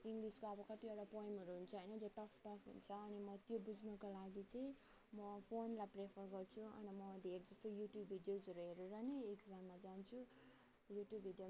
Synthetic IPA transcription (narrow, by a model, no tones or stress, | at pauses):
iŋɡliskoʌbʌkʌt̪iewɽapʌjmɦʌɾuɦunt͡sʰʌɦʌjnʌd͡zʌʈʌpʰʈʌpʰɦṵnt͡sʰʌːnimʌt̪jobud͡znʌkolaɡit͡sʌĩ | mʌpʰonlaprepʰʌrɡʌrt͡sʰuʌ̰nimʌd̪ʱeɾid͡zʌst̪ojuʈjubʱːiɖijozʌɾuɦʌɾurʌneekd͡zamːad͡zant͡sʰu | juʈjubʱiɖjo